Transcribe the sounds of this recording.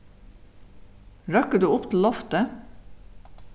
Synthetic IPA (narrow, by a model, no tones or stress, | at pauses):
ɾœkəd̪ʉːʊpt̪ʰl̩ɔft̪ə